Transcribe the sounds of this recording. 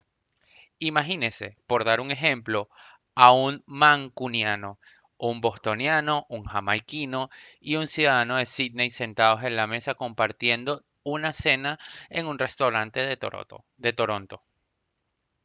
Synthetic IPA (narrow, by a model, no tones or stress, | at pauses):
imaxinese̞̰po̞ɾðaɾuŋe̞xe̞mplo̞ | aunmaŋkunjano̞ | umbo̞st̪o̞njano̞ʔuŋxamajkino̞iunsjuðaðano̞ð̞e̞sid̪nejse̞nt̪aðo̞se̞nlame̞sako̞mpaɾt̪je̞nd̪o̞ | unase̞naeŋunre̞st̪awɾant̪e̞ | d̪e̞t̪o̞ɾo̞nt̪o̞